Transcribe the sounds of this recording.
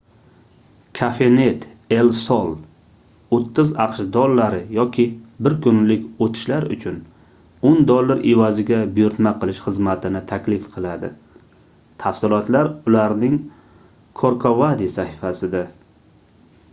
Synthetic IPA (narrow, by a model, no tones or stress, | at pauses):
kʰafe̞net̪e̞lsɒlˠ | ot̪ʰːɪzɑqʃd̪ɒlːaɾɪjɒkʲʰɪbɪɾkʰʊnlɪkʲot̪ʰɪ̥ʃlaɾʊ̰t͡ʃʰʊn | ond̪olˠːaɾʔevazɪɡʲabʊjʊɾt̪maqʰɨlˠɪʃχɨzmat̪ʰɪnɪt̪ʰakʲlɪfqʰɨlˠad̪ɪ̰ | t̪ʰafsɪlˠɒt̪laɾʊlaɾnɪŋ | kʰoɾkʰovad̪isahɪfasɪd̪a